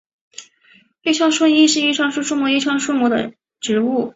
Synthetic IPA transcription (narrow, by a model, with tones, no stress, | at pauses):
e˥˧ʂjɑ˥˧ŋʂwə˥ŋi˥ʂɻ̩˥˧i˥˩ʈ͡ʂʰwɑ˥ŋʂu˥ʂu˥mɔ˧˥i˥˩ʈ͡ʂʰwɑ˥ŋʂu˥mɔ˧˥d̪ə̰˨ | ʈ͡ʂɻ̩˧˥u˥˩